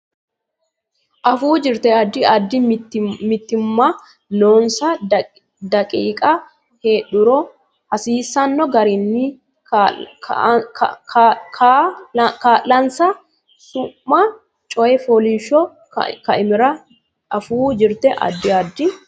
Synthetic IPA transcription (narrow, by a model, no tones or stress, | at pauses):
ʔɐfuːd͡ʒɪɾt̪ɛɐd̪ːɪɐd̪ːɪmɪt̪ːɪmːa | noːnsɐ | d̪ɐkʼiːkʼɐ | heːᶑʊɾo | hɐsiːsːɐnːɔɡɐɾɪnːi | kaːlːɐnsɐ | sʊmːa | t͡ʃʼɔjɛfɔliʃɔ | kɐɪmɪɾɐ | ɐfuːd͡ʒɪɾt̪ɛʔɐ̰d̪ːɪɐd̪ːɪ